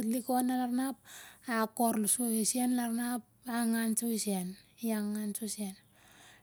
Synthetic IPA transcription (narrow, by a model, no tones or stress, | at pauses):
tlikonalaɾnap̚akoɾlusoesenlaɾnap̚ | aŋant͡ʃoisienjaŋːant͡ʃosen